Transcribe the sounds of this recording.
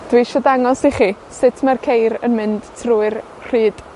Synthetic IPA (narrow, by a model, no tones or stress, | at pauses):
d̥wiʃɔdaŋɔsiχi | sɪtʰmarkʰejɾə̰nmɪnd̥tʰruːɨr | r̥iːd̥